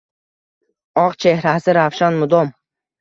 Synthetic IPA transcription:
ɒqt͡ʃʰe̞hɾasɪɾafʃanmʊd̪ɔm

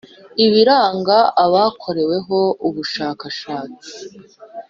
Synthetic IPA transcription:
iβiɾaːŋɡaaβaːkʰo̞ɾe̞we̞ɦo̞uβuʃaːkaʃaːt͡si̥

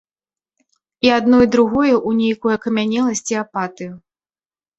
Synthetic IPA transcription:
iad̪nɔjd̪ɾuɣɔjɛʔunʲejkɔjɐkɐmʲanʲɛlˠɐsʲt͡sʲiapat̪ɨju

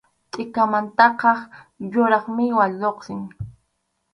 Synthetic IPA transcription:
t̪ʼɪkamant̪ɑqɑχjʊɾɑχmɪwaʎoqsɪŋ

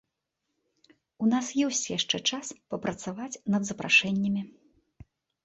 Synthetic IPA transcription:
unasjɛwsʲt͡sʲjaʂt͡ʂɛt͡ʂaspɐpɾɐt̪savat͡sʲnɐd̪zɐpɾaʂɛnʲːɐmʲi

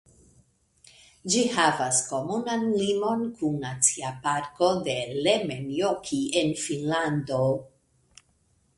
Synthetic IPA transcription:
d͡ʒihavasko̞munanlimo̞nkunːat͡siapaɾko̞d̪e̞lemenjokʰienfinland̪o̞

